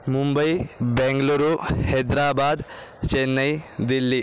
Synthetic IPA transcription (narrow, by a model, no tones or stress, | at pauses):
mumbɐjbɛŋɡluɾuhed̪ɾaːbad̪t͡ʃenːɐjd̪ilːi